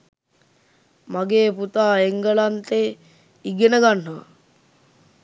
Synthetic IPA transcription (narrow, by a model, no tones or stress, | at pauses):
maɡeːput̪aːeŋɡəlant̪e | iɡenəɡanːəʋə̰